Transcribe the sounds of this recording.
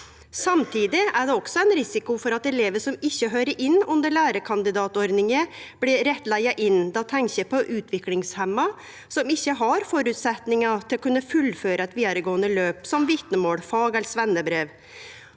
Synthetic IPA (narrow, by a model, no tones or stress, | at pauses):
sɑmt̪ʰiːd̪ɪæɖ̪ɛɔksɔæɪnɾɪsɪkʊfɔɾɑt̪ɛleːʋəsɔmɪçːəɦøːɾəɾʔɪnːʉnd̪əɭæːɾəkʰɑnd̪ɪd̪ɑːt̪ɔɾd̪nɪŋəb̥ɽɪɾɛt̪læɪɑʔɪnd̪ɑt̪ʰɛŋɕəpʰɔʔʉːt̪ʰʋɪklɪŋshɛmːɑ | sɔmɪçːəɦɑɾfɔɾʉt̪sɛt̪nɪŋɑt̪ʰɪlɔkʰʉnːəfʉlføːɾəɛt̪ʋiːd̪ɑɾəɡoːənəløːpsɔmʋɪt̪nəmoːɽfɑːɡɛlsʋɛnːəbɾeːʋ